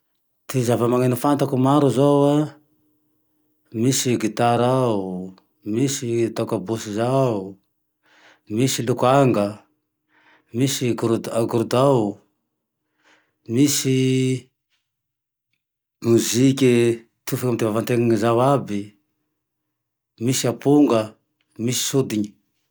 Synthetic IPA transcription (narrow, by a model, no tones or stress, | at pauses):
t̪izavamaŋanifant̪akumaɾuzowa | misiɡit̪aɾau | misit̪akabusizau | misilukuaŋɡə | misiɡuɾd̪aɡuɾud̪aw | miʃi | muziki | tʰufikamutivavantɛŋzawabi | miʃiapuŋɡa | miʃi̥sod̪iɲi